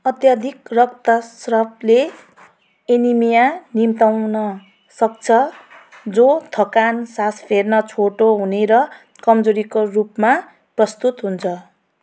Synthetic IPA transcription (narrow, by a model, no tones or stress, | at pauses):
ʌt̪jad̪ʱikrʌk̚t̪ʌsrʌble | enimijanimt̪awnʌ | sʌk̚t͡sʰʌ | d͡zot̪ʰʌkansaspʰernʌt͡sʰoʈoɦuneɾʌ | kʌmd͡zoɾikorupma | prʌst̪ut̪ɦunt͡sʰʌ